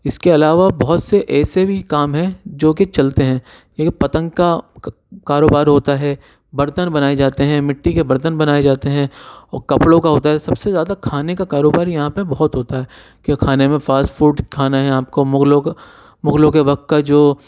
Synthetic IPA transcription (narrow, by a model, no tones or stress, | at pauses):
ɪskeɐlaːʋabɔɦʊt̪seʔɛːsebʱikaːmɦɛ̃d͡ʒoːket͡ʃɐlt̪eɦɛ̃ː | epɐt̪ə̃ŋɡka | kaːɾoːbaːɾɦoːt̪aɦɛː | bɐɾt̪ənbɐnaːed͡ʒaːt̪eɦɛ̃mɪʈːikebɐɾt̪ənbɐnaːed͡ʒaːt̪eɦɛ̃ɔːɾkɐpɽõkaɦoːt̪aɦɛsɐbsezjaːd̪akʰaːnekakaːɾoːbaːɾjɐɦãpɐbɔɦɔt̪ɦoːt̪aɦɛː | kiakʰaːnemẽfaːsʈfuːɖkʰaːnaɦɛ̃aːp̚komʊɡlõk | mʊɡlõkeʋɐk̚t̪̚kad͡ʒoː